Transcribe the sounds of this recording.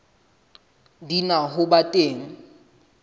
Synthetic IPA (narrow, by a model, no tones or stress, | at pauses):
dinaɦʊbatʼeːŋ̩